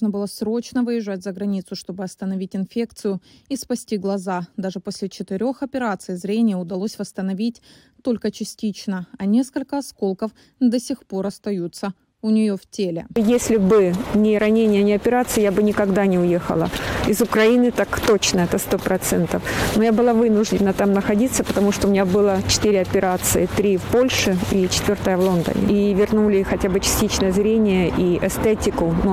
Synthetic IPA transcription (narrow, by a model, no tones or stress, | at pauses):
nəbɨlˠəsɾo̞t͡ɕnəvɨjɪʐːatʲzəɡɾɐnʲit̪sʊʂt̪o̞bɨɐst̪ənɐvʲitʲɪnfʲe̞kt̪sɨjʊispɐsʲtʲiɡlˠɐzad̪aʐɨpo̞sʲlʲɪt͡ɕɪt̪ɪɾʲo̞xɐpʲɪɾat̪sɨjzɾʲenʲɪjəʊd̪ɐlˠo̞sʲvəst̪ənɐvʲitʲ | t̪o̞lʲkət͡ɕɪsʲtʲit͡ɕnəɐnʲe̞skəlʲkəɐsko̞lˠkəf | d̪əsʲɪxpo̞ɾɐst̪ɐjut̪sə | ʊnʲɪjo̞ftʲelʲɪ̰jesʲlʲɪbɨnʲɪɾɐnʲenʲɪjənʲɪɐpʲɪɾat̪sɨjjabɨnʲɪkɐɡd̪anʲɪʊje̞xə̰lˠəɪzʊkɾɐinɨt̪akt̪o̞t͡ɕnəɛt̪əst̪o̞pɾɐt̪sɛnt̪əfnojabɨlˠavɨnʊʐdʲɪnːət̪amnəxɐdʲit̪səpət̪ɐmuʂt̪oʊmɪnʲabɨlˠət͡ɕɪ̥t̪ɨɾʲɪɐpʲɪɾat̪sɨɪt̪ɾʲifpo̞lʲʂɨit͡ɕɪ̥t̪vʲo̞rt̪əjəvlˠo̞nd̪ə̰nʲɪ̰ivʲɪrnulʲɪxɐtʲabɨt͡ɕɪ̥sʲtʲit͡ɕnəjəzɾʲenʲɪjəʔiʔɛst̪etʲɪkʊnu